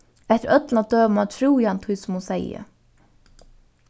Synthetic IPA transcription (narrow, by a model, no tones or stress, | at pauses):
ɛht̪əɾʔœt̪lad̪øːmat̪ʰɾuːjant̪ʰʊjsʊmusɛjə̰